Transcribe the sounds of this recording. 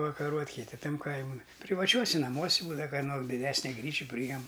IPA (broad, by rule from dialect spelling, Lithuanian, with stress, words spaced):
pɐʋɐkɐˈruɔtʲ kʲɪˈtʲɪ ˈtɐm ˈkɐɪmʊn pʲrʲɪʋɐˈt͡ʃʲuɔsʲɪ nɐˈmuɔsʲɪ ˈbuːdɐʋɐ kɐˈnoː dʲɪˈdʲæːsʲnʲɪ ˈɡrʲiːt͡ʃʲɪ pʲrʲiːˈjɛm